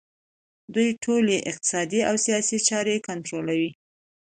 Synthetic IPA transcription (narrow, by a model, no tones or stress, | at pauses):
d̪ujʈʰoleʔɪq̚t̪ɪ̥sɑd̪iawsijɑsit͡ʃɑɾekʊnt̪ɾolawi